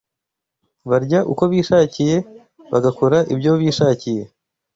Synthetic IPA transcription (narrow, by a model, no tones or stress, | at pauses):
βaɾɟaʔṵko̞βiːʃaːcije̞ | βaɡakoɾaʔibɟoβiːʃaːcije̞